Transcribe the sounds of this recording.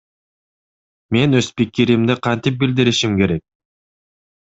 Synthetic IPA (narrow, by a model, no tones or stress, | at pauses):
me̞nøspikːiɾimd̪eqʰɑnt̪ip̚bild̪iɾiʃimke̞ɾe̞k̚